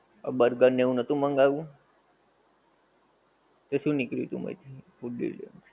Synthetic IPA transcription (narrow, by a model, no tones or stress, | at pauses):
a̰bəɾɡənːeũnət̪ũməŋɡaʋũ | t̪eʃũnikɾjṵt̪ṵ̃mə̰it̪ʰipuḭlə̰n